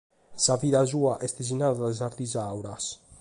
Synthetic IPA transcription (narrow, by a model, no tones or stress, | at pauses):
saviːðazuːaʔɛst̪ez̬inaːðaðaɛzaɾt̪izawɾas